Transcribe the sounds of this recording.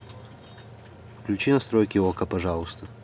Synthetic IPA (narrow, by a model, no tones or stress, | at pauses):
fklʲʉt͡ɕinɐst̪ɾojkʲɪokəpɐʐalˠʊst̪ə